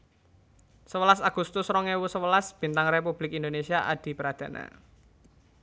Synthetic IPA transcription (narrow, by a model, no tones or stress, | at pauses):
səwəlasaɡ̥ust̪ʊsɾɔŋewusəwəlasb̥i̤nt̪aŋrepub̥lɪkind̪onesiaʔad̪̥i̤pəɾad̪̥ä̤na̰